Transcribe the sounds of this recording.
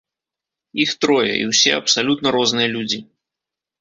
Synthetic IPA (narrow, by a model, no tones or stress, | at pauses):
ixt̪ɾɔjɐ̰ʔḭwsʲɛɐpsalʲut̪nɐɾɔznɨjɐlʲud͡zʲi